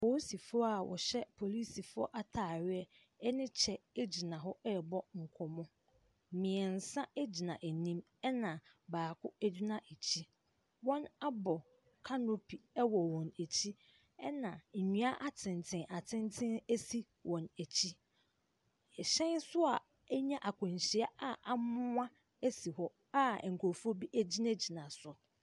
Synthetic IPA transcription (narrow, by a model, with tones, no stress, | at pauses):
po˨˦si˨fʊ˦ɔ˦a˨wʔɔ̰˨ɕɛ˦pʰo˨li˦si˨fʊ˦ɔ̰˦ʔa˦tʰaː˨ɥɪ˦ɛ˦ | ɛ˦nɪ̃˦t͡ɕʰɛ˨e˦d͡ʑi˨nã˨ɦɔ˦ɛ˦˨bɔ˦ŋ̩˨kʰɔ˨mɔ̃˦˨ | mɪ̃˨ɛ˨n̩˨sã˦e˦d͡ʑi˨nã˨ʔe˨nĩ˦m | ɛ˦nã˨baː˨kʰʊ˦æ˦du˦nã˦ʔe˨t͡ɕʰi˦ | wɔ̃˦na˦bɔ˨ | kʰa˦no˦pʰi˨ɛ˦wɔ˨wɔ̃˨næ˨t͡ɕʰi˦ | ɛ˦nã˨ɲũ˦a˦ʔa˦tʰɪ̃˨n˨tʰɪ̃˨˦ʔa˨tʰɪ̃˦ntʰɪ̃˦ne˦si˦ | wʔɔ̃˨næ˨t͡ɕʰi˦˨ | ɕɛ̃˦nsʊ˦a˨ | ɛ˦ɲã˦ʔa˨kʰʊ̃˨ɲ˨ɕi˨a˦a˦ʔa˨mʊ̃˦ã˦ | e˦si˨hɔ˦ | a˦˨ŋ̩˨kʰo˨fu˦o˦bi˦ʔæ˦d͡ʑi˦na˦d͡ʑi˨nã˨sʊ˨